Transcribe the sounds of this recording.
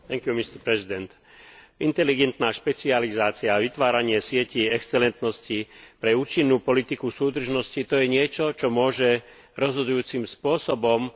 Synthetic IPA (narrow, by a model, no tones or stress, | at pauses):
t̪ɛŋkjumist̪ɛɾpɾɛzid̪ɛnt̪ | ʔint̪ɛliɡɛnt̪naːʃpɛt͡sializaːt͡siaʋit̪ʋaːɾaɲɪɛsɪɛciɛkst͡sɛlɛnt̪nɔscipɾɛuːt͡ʃinːuːpɔlit̪ikusuːd̪r̩ʒnɔscit̪ɔjɛɲɪɛt͡ʃɔt͡ʃɔmʊɔʒɛ | ɾɔzɦɔd̪ujuːt͡simspʊɔsɔbɔm